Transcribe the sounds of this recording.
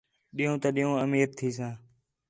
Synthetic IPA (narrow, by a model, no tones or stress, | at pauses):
ɗiːõːt̪aːɗiːõːəmiːɾt̪ʰiːs̬ãː